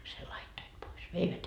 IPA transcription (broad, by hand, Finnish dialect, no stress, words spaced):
sel lɑitːoit pois ʋeiʋæt